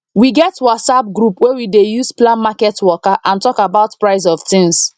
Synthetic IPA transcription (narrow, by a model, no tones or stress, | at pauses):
wiɡɛtasab̚ɡɹupwɛwidejusplãnmakɛtwɔkaʔãntɔkabaʊtpɹaɪzɔv̥tɪ̃ŋs